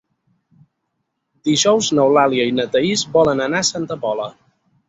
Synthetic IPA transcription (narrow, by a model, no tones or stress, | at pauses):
d̪̥iʒɔwznəwlaliəinət̪əizbɔlənənasant̪əpɔlə